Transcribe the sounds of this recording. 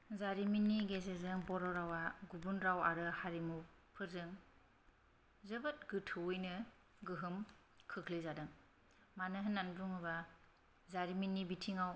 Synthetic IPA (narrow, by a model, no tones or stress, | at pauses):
zaɾiminːiɡezezɯŋbɔɾɔɾawaɡubunɾawaɾɯhaɾimu | pʰɯɾzɯŋ | zɯbat̚ɡɯtʰɯwujnɯ | ɡɯɦɯm | kʰɯkʰlizadɯŋ | manɯɦɯnːanbɾuŋɯba | zaɾiminːibitʰiŋaw